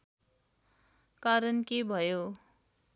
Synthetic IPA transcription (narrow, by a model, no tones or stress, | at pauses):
kaɾʌnkebʱʌjo